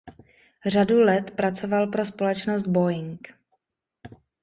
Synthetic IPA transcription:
r̝adulɛt̪pɾat͡so̞valpɾo̞spo̞lɛt͡ʃnosd̪̚bo̞jɪŋk

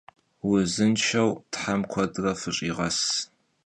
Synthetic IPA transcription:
wʊzɨnʃɐwtħamkʷʰɔdrɐfɨɕʼiːʁɐs

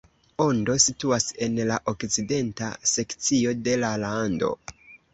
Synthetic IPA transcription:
o̞ndo̞situase̞nlaʔo̞kt͡side̞ntase̞kt͡sio̞de̞lalando̞̰

